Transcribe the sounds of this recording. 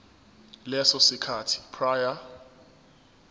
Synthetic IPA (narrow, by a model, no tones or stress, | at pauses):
lɛsɔsikʰatʰi̥pʰraja